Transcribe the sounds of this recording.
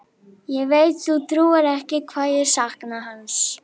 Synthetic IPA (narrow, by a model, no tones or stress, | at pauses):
jɛɣvejt̪θut̪ʰɾuːaɾɛhcɪkʰvaːðjɛɾ̥sahknaɦans